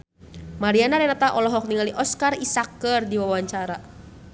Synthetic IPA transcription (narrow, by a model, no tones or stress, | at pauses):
maɾianaɾɛnat̪aʔɔlɔɦɔk̚niŋaliʔɔskarisakərdiwawaɲt͡ʃaɾa